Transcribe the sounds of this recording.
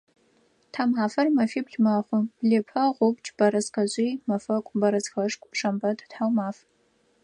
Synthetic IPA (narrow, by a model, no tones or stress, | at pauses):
tʰamaːfɐrmɐfibɮmaχʷʊb̥ɮepʰɐʁʷʊpt͡ʃʼb̥ɐɾɐzqɐʑʷʼijmɐfɐkʷʼbɐɾɐzxɐʂkʷʼpʰʂɐmbɐtʰtħawmaːf